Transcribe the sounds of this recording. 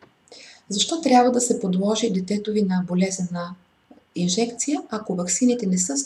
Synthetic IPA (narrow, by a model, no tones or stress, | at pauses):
zɐʃt̪ɔt̪ɾʲjabvəd̪ɐsɛpod̪lˠɔʒid̪ɛt̪ɛt̪ovinɐbolɛzɛnə | inʒɛkt̪sijəʔɐkovɐksinit̪ɛnɛsɤ